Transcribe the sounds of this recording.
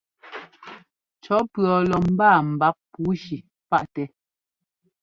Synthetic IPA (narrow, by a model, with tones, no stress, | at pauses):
t͡ʃɔ˨˦pɰɔ˨lɔ˨m̩˦baː˦˨m̩˨ba˦p̚pːu˨˦ʃi˨ | pa˦˨ʔtɛ˨